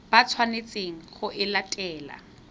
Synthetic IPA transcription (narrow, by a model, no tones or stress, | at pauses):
b̥at͡sʰwanet͡sʼeŋ̩χʊʔɪlatʼɛːla̰